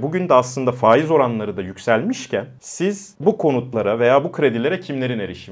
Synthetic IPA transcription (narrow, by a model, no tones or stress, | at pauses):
buɟynd̪ɛaslˠɯnd̪afaːjizo̞ɾanlˠaɾɯd̪ajycʲsælʲmiʃcʰænsiz̥ | bukʰo̞nut̪lˠaɾave̞jaːbukʰɾe̞d̪ilʲe̞ɾɛcʰimlʲe̞ɾine̞ɾiʃi